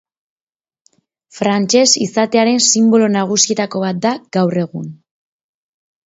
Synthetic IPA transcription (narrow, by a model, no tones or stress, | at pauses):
fɾant͡ʃe̞sisat̪e̞aɾe̞nsimbo̞lo̞naɣ̞usiet̪ako̞βat̪̚d̪aɡ̥awre̞ɣ̞un